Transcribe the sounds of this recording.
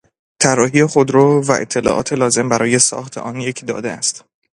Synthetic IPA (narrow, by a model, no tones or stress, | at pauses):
t̪ʰærːɒːɦijexo̞d̪ɾɒːvæʔḛt̪ʰːe̞lɒ̰ːʔɒ̰ːt̪ʰe̞lɒːze̞mbæɾɒːje̞sɒ̰ːxt̪ʰḛʔɒːnjecʰd̪ɒ̰ːd̪eæst̪